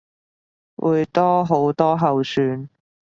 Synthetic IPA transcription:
wṵː˨˧jt̪ɔː˥ɦo˨˥wt̪ɔː˥ɦɐ˨wsyː˨˧n

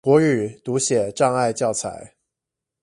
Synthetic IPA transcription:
wɔ˧˥y˨˩t̪u˧˦˥ɕjɛ˨˩ʈ͡ʂɑ˥˧ŋa˥˧ɪt͡ɕjɑ˥˩ʊt͡sʰa̰˧˦ɪ

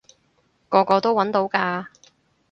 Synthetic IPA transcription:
kɔː˧kɔː˧t̪o˥wɐ˨˥nt̪o˨˥wkaː˧

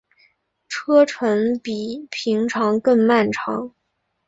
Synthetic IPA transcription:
ʈ͡ʂʰɤ˥ʈ͡ʂʰwə˧˥npi˨˩pʰi˧˥ŋʈ͡ʂʰɑ˧˥ŋkɤ˥˧ŋma˥˩nʈ͡ʂʰɑ̰˧˥ŋ

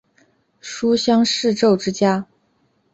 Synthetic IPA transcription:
ʂu˥ɕjɑ˥ŋʂɻ̩˥˧ʈ͡ʂo˥˩ʊʈ͡ʂɻ̩˥t͡ɕja˥

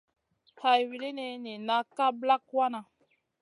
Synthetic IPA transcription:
ha˨jwi˨li˦ne˧ni˨na˦ka˦bla˦kwa˦na˨

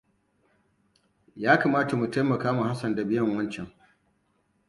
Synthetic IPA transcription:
jaː˦kaː˨maː˦ta˨mu˨ta˦jmɐ˨kaː˦mu˨ha˦sɐ˨nda˨bɪ˦jɐ˦˨ŋwɐ˦nt͡ʃɛ˨ŋ

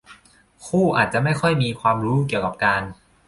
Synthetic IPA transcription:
kʰuː˥˩ʔa̰ː˨˩t̪̚t͡ɕa˨˩ma˥˩jxʰɔ˥˩jmiː˧kʰwaː˧mɾuː˦˥k̬i˨˩əwka˨˩p̚kaː˧n

